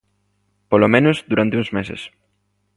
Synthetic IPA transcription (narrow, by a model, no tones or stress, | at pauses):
polomẽnʊzd̪uɾant̪eũŋzmesḛs